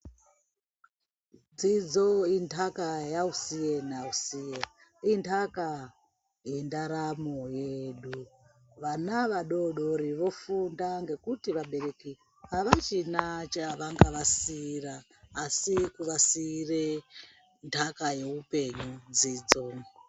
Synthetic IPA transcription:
d͡zid͡zointʰakajausienausije | intaka | jendaɾamojeɗu | ʋanaʋaɗo̞ɗoɾiʋo̞fundaŋɡe̞kutiʋaɓe̞ɾe̞ki | ɦaʋat͡ʃinat͡ʃaʋaŋɡaʋasiraː | sikuʋasire | ndʰʱakaje̞upe̞ɲud͡ziːd͡zo

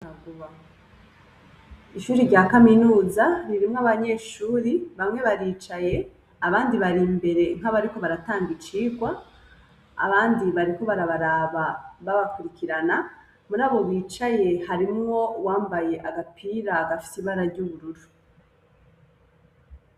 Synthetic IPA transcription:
aɡuβa | iʃuːɾiɾɟaːkaminuːzaɾiɾimŋaβaɲe̞ʃuːɾiβamŋe̞βaɾiːt͡ʃaje̞ | aβaːndiβaɾimbe̞ɾe̞ŋ̥aβaɾiko̞βaɾataːŋɡit͡ʃiːɡwa | a̰βaːndiβaɾiko̞βaɾaβaɾaβaβaβakuɾikiɾana | muɾaːβo̞βiːt͡ʃaje̞haɾimŋo̞waːmbaje̞ʔaɡapʰiːɾaɡafi̥siβaɾaɾɟuːβuɾuɾu

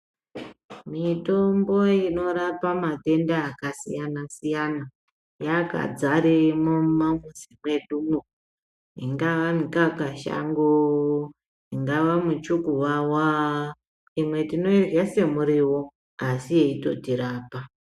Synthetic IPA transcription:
mito̞mbo̞ino̞ɾapamate̞ndaːkasijanasijana | jaka̰d͡zaɾemumamuzimwe̞ɗumu | ḭŋɡaʋamikakaʃa̰ŋɡo | iŋɡaʋamut͡ʃukuʋawa | imwe̞tino̞irɡase̞muɾiwo̞ | asijeito̞tiɾaːpa

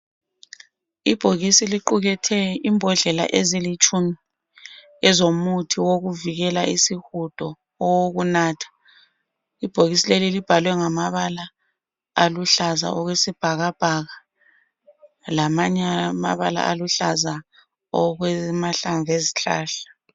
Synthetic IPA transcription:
ib̥ʱoɣisiliǃuɣɛtʰɛimbʱɔɮɛla̰ʔezilit͡ʃʼumi | ɛzomutʰiwoɣuviɣɛlaʔisihud̥ʱɔː | woɣunaːtʰḁ | ib̥ʱoɣisilelilib̥ʱalwɛŋamaβalaː | luɬaza̰ʔɔɣwesib̥ʱaɣab̥ʱaɣa | lamaɲma̰βala̰ʔaluɬaza | ɔɣwɛmaɬaɱveziɬa̰ːɬḁ

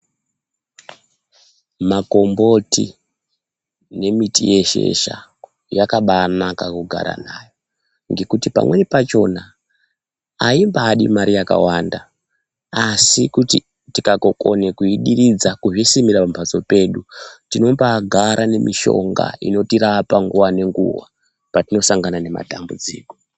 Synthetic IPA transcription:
mako̞mbo̞tḭ | ne̞mitije̞ʃe̞̰ʃa̰ | jakaɓanakakuɡʱa̰ɾa̰naːjo̞ | ŋɡe̞kutipa̰mwe̞nepat͡ʃo̞na | aimbaːɗimaɾijaka̰wanda | asikuti | tikako̞ko̞nekuiɗirid͡zakuʐisimirapampat͡so̞pe̞ːɗutino̞mpaɡʱaɾʔane̞miʃo̞̰ŋɡa̰ḭno̞tiɾapaŋɡuwane̞ŋɡṵwa̰ | patino̞saŋɡanane̞ma̰tambud͡zḭːko

